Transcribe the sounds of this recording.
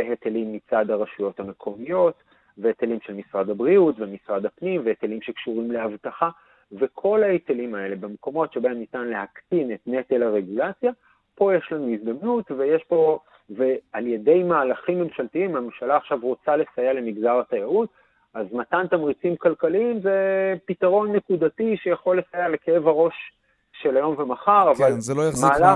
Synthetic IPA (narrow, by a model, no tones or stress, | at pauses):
eɦet̪elimːit͡sad̪haʁaʃujo̞thame̞kʰo̞mijo̞t̪ | veet̪elimʃelmisʁad̪abʁiutvemisʁad̪apnimveet̪elimʃe̞kʃuʁimle̞avtaχa | ve̞kʰo̞laet̪elimae̞le̞bemko̞mo̞tʃebaemnitanle̞haktinetne̞t̪elaʁe̞ɡulat͡sja | po̞jeʃlanuizd̪amnutvejeʃpo̞ | vealjede̞jmaːlaχimːe̞mʃalt̪iimhamemʃalaːχʃavʁo̞t͡sale̞sajale̞miɡdaʁatajaut | azmatant̪amʁit͡simkalkaliimzepitaʁo̞nːe̞kudatiʃejaχo̞lːe̞sajale̞keevaʁo̞ʃ | ʃe̞lajo̞mvemaχaʁavalzelojmaːla